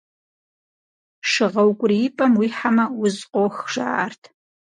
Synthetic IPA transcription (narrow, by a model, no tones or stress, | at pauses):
ʂɨʁɐwkʷʼʊriɪpʼɐmwiːħamɐwʊzqʷʼoxʒ̥a̰ːa̰rtʰ